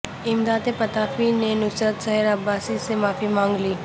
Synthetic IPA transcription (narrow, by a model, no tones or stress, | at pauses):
ɪmd̪aːd̪epɐt̪aːfinenʊsɾət̪sɐɦɪɾɐbːaːsisemaːfimãːŋɡliː